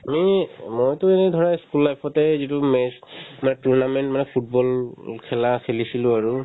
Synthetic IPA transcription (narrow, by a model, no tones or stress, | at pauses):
amimojtʊɛnɛdʱɔɹajskulːajpʰɔtɛzitʊmɛsmanɛtuɹnamɛntmanɛpʰut̚bɔlkʰɛlakʰelisilʊ̃aɹu